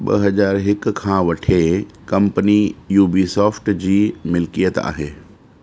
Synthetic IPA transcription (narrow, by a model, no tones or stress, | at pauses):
ɓɐ̰ɦɐzaːɾɦɪkkʰãːʋɐʈʰekɐ̃mpənijuːbiːsɔːfʈd͡ʑiːmɪlkijət̪a̰ːɦeː